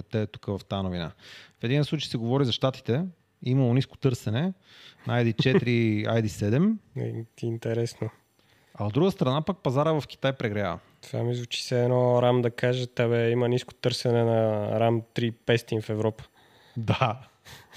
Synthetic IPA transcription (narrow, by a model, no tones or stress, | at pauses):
t̪ɛɛt̪u̥kəvɐft̪ajnovina̰fɛd̪inslˠut͡ʃɛjsɛɡovɔɾizɐʃt̪at̪i̥t̪ɛ | imɐlˠonisko̥t̪ɤɾsɛnɛ | najd̪it͡ʃɛt̪ɾia̰jd̪isɛd̪ɛm | iːnt̪ɛɾɛsno | ɐod̪ːɾuɡəst̪ɾɐnapak̚pɐzaɾəvɐfk̟i̥t̪ajpɾɛɡɾɐja̰v̰t̪va̰mizvut͡ʃi̥sɛːnɔɾamd̪ɐkaʒət̪aβɛimənisko̥t̪ɤɾsɛnɛnɐɾamt̪ɾipɛst̪infɛvɾɔpə̥ | d̪a